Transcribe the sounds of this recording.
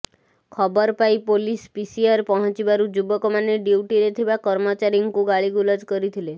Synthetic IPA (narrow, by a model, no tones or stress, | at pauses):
kʰɔbɔɾpajpolispisiaɾpɔɦɔ̃t͡ʃibaɾud͡ʒubɔkɔmaneɖiwʈiɾet̪ʰibakɔɾmɔt͡ʃaɾiŋkuɡaɭiɡulɔd͡ʒkɔɾit̪ʰile